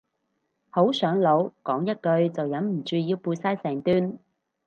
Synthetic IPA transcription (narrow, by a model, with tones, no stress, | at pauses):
ho˨˥wsœː˨˥ŋlo˨˥wkɔː˨˥ŋjɐ˥t̚kɵ˧ɥt͡sɐ˨wjɐ˨˥mm̩˨˩t͡ʃyː˨˧jiː˧wpuː˧jsaː˥jsɛː˨˩ŋt̪yː˥n